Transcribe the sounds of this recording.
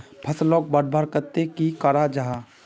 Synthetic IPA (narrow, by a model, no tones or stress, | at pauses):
pʰəslɔːk̚bəɽbʱaːɾkət̪ekikaɾad͡ʒaɦa